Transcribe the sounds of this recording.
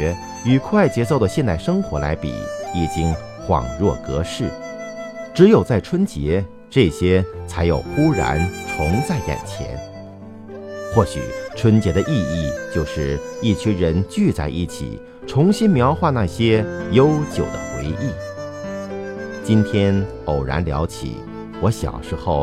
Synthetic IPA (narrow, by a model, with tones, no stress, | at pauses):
ɛ˧˥ | y˨˩kʰwa˥˩ɪt͡ɕjɛ˧˥so˥˩ʊd̪ə˩ɕjɛ˥˧nt̪a˥˩ɪʂɤ˥ŋxwɔ˧˥la̰˧˥ɪpḭ˨˩˦i˨˩t͡ɕi˥ŋ | xwɑ̰˨˩ŋɻwɔ˥˩kɤ˧˥ʂɻ̩˥˩ | ʈ͡ʂɻ̩˧˥jo˨˩ʊt͡sa˥˩ɪʈ͡ʂʰwə˥nt͡ɕjɛ˧˥ | ʈ͡ʂɤ˥˩ɕjɛ˥t͡sʰa˧˥ɪjo˨˩ʊxu˥ɻa̰˧˥nt͡sʰʊ˧˥ŋt͡sa˥˩ɪka̰˨˩nt͡ɕʰjɛ̰˧˥n | xwɔ˥˩ɕy̰˨˩ʈ͡ʂʰwə˥nt͡ɕjɛ˧˥d̪ə˧ʔi˥˧i˥˩t͡ɕjo˥˧ʊʂɻ̩˥˧˩i˥˩t͡ɕʰy˥ɻə˧˥nt͡ɕy˥˧t͡sa˥˧ɪʔi˥˩t͡ɕʰḭ˨˩ | ʈ͡ʂʰʊ˧˥ŋɕi˥nmjɑ˧˥ʊxwa˥˧na˥˩ɕjɛ˥jo˥ʊt͡ɕjo˨˩ʊd̪ə˦xwḛ˧˥ɪʔi˥˩ | t͡ɕi˥nt̪ʰjɛ˥n | o˨˩ʊɻa̰˧˥nljɑ˧˥ʊt͡ɕʰḭ˨˩˦ | wɔ˧˥ɕjɑ̰˨˩ʊʂɻ̩˧˥xo˥˩ʊ